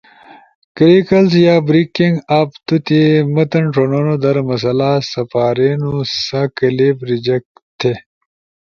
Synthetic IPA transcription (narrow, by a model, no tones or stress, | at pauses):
kɾikɐlsjaːbɾikiŋɡaːpt̪ut̪imɐt̪ɐɳʈononod̪ɐɾmɐs̬ɐlasɐpaːɾenusɐkɐlebɾid͡ʑɐk̚t̪ʰe